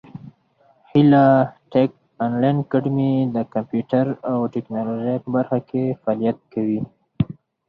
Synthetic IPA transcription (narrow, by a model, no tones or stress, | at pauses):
hilaʈek̚ | anlajnkaɖmid̪əkampjuʈaɾawʈeknɑloʒajpəbaɾxakʰefɑlijat̪̚kawi